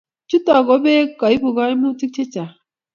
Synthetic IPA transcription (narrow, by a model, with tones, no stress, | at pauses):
t͡ʃu˦tɔ˨ɡo˨˦be˦ka˨i˦bu˨ɡa˦i˦mu˦ti˦k̚t͡ʃe˦t͡ʃa˨